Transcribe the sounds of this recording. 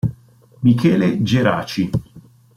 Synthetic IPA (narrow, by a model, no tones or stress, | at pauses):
mikʰɛːled͡ʒeɾa̰ːt͡ʃi